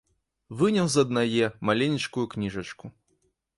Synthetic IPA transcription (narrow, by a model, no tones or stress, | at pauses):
vɨnʲɛwzɐd̪najɛmalʲenʲit͡ʂkujuknʲiʐɐt͡ʂku